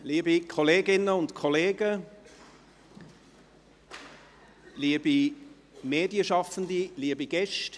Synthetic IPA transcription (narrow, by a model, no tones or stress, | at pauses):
liːəbikʰɔleːɡɪnəʊntkʰɔleːɡə | liːəbi | meːdjəʃɑfən̩diliːəbiɡɛʃt